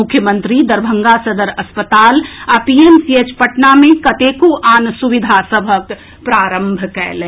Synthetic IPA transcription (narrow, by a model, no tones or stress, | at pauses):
ʊkʰːjəmənt̪ɾid̪əɾbʱə̃ŋɡasəd̪əɾəspət̪aːlapiemsiet͡ʃpəʈnamẽkət̪ekoʔaːnsuʋid̪ʱasəbʱək | pɾaːɾəmbʱkɛɪlɛ̃